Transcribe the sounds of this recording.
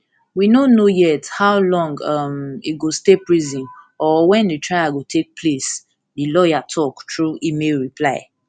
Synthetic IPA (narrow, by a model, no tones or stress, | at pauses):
winonojɛthaʊlɔ̃ŋɡʌmiɡostepɹizĩn | ɔwɛ̃ndetʰɹaɪaɡotʰek̚pʰles | dilɔjatʰɔktɹuimeɹipʰlaɪ